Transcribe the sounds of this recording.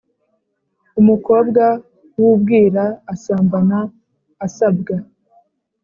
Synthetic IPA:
umuko̞ːb̚ɡa | wubɡiːɾaːsaːmbanaː | sab̚ɡa

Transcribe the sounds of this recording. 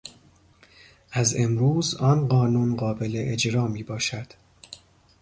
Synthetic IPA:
ʔæze̞mɾuːzɒːnɢɒːnuːnɢɒːbe̞leʔed͡ʒɾɒːmiːbɒːʃæd̪̥

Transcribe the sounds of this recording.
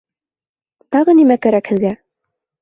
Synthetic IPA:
t̪ɑʁɤnimækæɾækhɘ̆ðɡæ

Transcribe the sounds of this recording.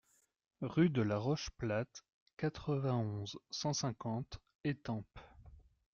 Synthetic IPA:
ʁyd̪əlaʁɔʃplat̪ | kat̪χəvɛ̃ɔ̃zsɑ̃sɛ̃kɑ̃t̪ | et̪ɑ̃p

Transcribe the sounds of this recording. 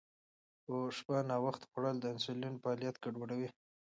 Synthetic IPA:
oʂpanɑwaxt̪xaɽəld̪əɪnsʊlinpəɑlijat̪keɖoɽawi

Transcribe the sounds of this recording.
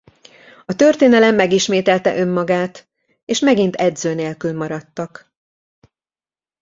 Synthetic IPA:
ɒt̪ø̞rt̪eːnɛlɛmːɛɡiʃmeːt̪ɛlt̪ɛ̰ʔø̞mːɒɡaːt̪ | eːʃmɛɡin̪t̪ɛd̪zøːneːlkylmɒɾɒt̪ːɒk

